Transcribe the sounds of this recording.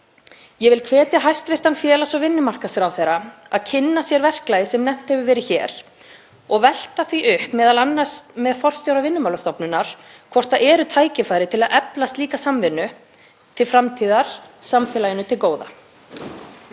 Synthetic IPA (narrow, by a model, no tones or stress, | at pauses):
jɛvɪlkʰvɛːt̪jaɦajst̪vɪr̥t̪anfjɛːlasɔɣvɪnːʏmar̥kasɾawθejɾaaðcʰɪnːasjɛɾvɛr̥klajðɪsɛmnɛm̥t̪hɛvʏvɛːɾɪçɛ̰ːɾ̥ | ɔɣvɛl̥t̪aθviʔʏhpmɛːðalanːasmɛðafɔr̥st̪jowɾavɪnːʏmawlast̪ɔpnʏnːaɾ̥ | kʰvɔr̥t̪aʔɛːɾʏt̪ʰaːjcɪfaːjɾɪt̪ʰɪlaðʔɛplast̪liːkasamvɪnːʏ | t̪ʰɪlfɾamt̪ʰiːðaɾ̥samfɛːlajɪnʏt̪ʰɪlkoːwða̰